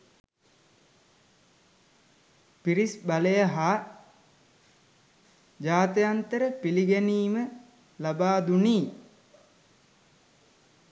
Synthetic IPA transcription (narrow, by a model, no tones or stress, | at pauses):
piɾisbaləjəɦaː | d͡ʒaːt̪əjant̪əɾəpiliɡæniːmə | labaːd̪uniː